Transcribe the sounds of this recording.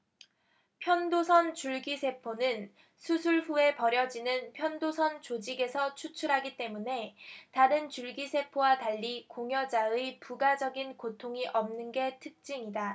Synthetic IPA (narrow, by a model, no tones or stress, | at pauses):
pʰjʌndosʰʌnt͡ɕuɭɡisʰe̞pʰonɯn | sʰusʰuɭɸue̞pʌɾjʌd͡ʑinɯnpʰjʌndosʰʌnt͡ɕod͡ʑiɡe̞sʰʌt͡ɕʰut͡ɕʰuɾɦaɡit͈e̞mune̞taɾɯnt͡ɕuɭɡisʰe̞pʰowataʎːikoŋjʌd͡ʑaɯpuɡad͡ʑʌɡinkotʰoŋiʔʌmnɯnɡe̞tʰɯk̚t͡ɕ͈iŋida